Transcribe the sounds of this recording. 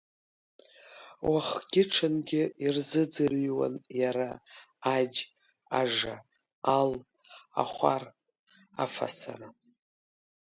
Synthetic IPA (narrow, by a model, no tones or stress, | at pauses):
wʔaχɡ̥ʲɪʈ͡ʂʰɨnɡʲɪirzɨd͡zɨriwa̰njaɾaː | d͡ʒ | aʐa | al | a̰χʷar | a̰fa̰sa̰na